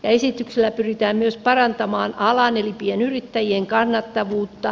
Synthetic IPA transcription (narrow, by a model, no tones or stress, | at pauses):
jɑesit̪ːykselːæpyrit̪æːmmyøspɑrɑnt̪ɑmɑːnɑlɑnelipienyrit̪ːæjieŋkɑnːɑt̪ːɑʋuːt̪ːɑ